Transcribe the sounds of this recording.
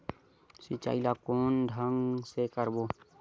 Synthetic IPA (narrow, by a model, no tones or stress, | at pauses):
sit͡ʃa̰ːilakoːnɖʱəŋsekəɾboː